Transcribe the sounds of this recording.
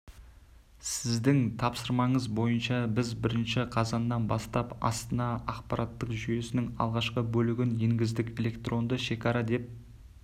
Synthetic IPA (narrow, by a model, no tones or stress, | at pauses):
sɪzd̪ɪŋt̪ʰɑpsəɾmɑɴəzbo̞jənʃɑbɪzbɪɾɪnʃɪqʰɑzɑnːɑnbɑst̪ɑpɑ̰st̪ənɑɑqpɑɾʔɑt̪ːəqʒyje̞sɪnɪŋɑ̰lˠʁɑʃqəbɵlɪɡʲɪnje̞ŋɡʲɪzd̪ɪkʲe̞le̞kt̪ro̞nd̪əʃe̞kʲɑɾɑd̪e̞p̚